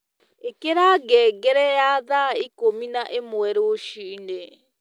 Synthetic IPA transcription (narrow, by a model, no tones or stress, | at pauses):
ekeɾaːɡɛːɡɛɾɛjaːðaikominaʔemwɛɾoʃine